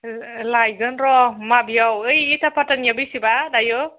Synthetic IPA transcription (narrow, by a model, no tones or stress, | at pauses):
lajɡɯnɾɔmabiawɯjitʰapʰatanjabisibadajɯ